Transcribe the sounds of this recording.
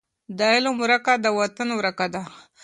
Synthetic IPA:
d̪aelomuɾakad̪əwat̪anwɾakad̪a

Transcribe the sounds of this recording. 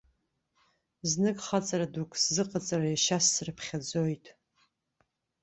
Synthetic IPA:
znɨkʼχat͡sʼaɾadukʷʰʼszɨqʼat͡sʼarajaʃasːrɨpʰχʲad͡zojtʼ

